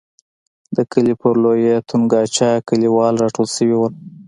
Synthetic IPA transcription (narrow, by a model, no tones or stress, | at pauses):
d̪əkəlipəɾlojet̪ʰunɡɑt͡ʃɑkəliwɑlɾɑʈolsəwiwəl